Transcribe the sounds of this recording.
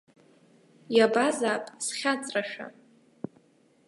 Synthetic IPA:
jabazaːpʼsχʲat͡sʼraʃᶣa̰

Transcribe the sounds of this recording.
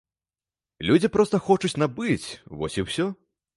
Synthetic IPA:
lʲud͡zʲipɾɔst̪ɐxɔt͡ʂut͡sʲnabɨt͡sʲvɔsʲiwsʲɔ

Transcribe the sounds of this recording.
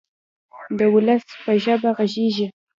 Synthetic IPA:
d̪əwʊləspəʒəbaɣaʒeʒi

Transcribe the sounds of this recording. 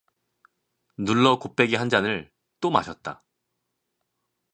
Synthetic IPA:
nuɭːʌkop͈ʰe̞ɡiɦand͡ʑanɯɭ | t͈oma̰ɕʰʌt̚t͈a̰

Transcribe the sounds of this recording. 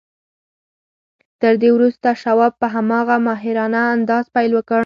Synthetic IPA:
t̪əɾd̪ewɾust̪aʃawɑb̚pəɦamɑɣamɑɦɪɾɑnaːnd̪ɑzpajlwəkə

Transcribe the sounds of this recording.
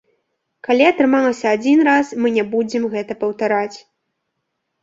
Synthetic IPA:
kalʲiɐt̪ɾɨmalˠɐsʲɐad͡zʲinrasmɨnʲɛbud͡zʲɛmɣɛt̪ɐpɐwt̪aɾat͡sʲ

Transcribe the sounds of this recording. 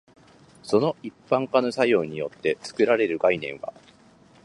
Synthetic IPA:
so̞no̞ʔipːãŋkanosajo̞ːɲ̟ijo̞t̪ːe̞t͡sɨ̥kɯ̟ɾaɾe̞ɾɯ̟ɡainẽ̞ɰ̃βa̰

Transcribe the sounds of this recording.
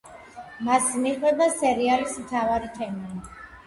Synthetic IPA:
masniχwɛbasɛɾialismt̪ʰavaɾit̪ʰɛma

